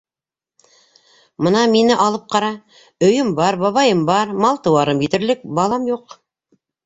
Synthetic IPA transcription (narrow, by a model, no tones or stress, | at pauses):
mɤnɑminɘʔɑlˠɤp̚qɑɾɑ | ɵ̆jɵmbɑɾbɑβɑjɤmbɑɾmɑlˠt̪ɤ̆wɑɾɤmjĭt̪ɘ̆ɾlɘk̚bɑlˠɑmjuq